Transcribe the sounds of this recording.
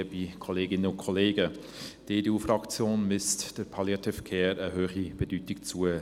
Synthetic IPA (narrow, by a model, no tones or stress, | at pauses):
əbikʰɔleːɡɪnənʊnkʰɔleːɡə | d̥eːdeuːfrɑkt͡sjoːnmʏstd̥əɾpʰɑljɑtʰefəkʰeːɾəhøːχib̥edyːtɪkt͡suə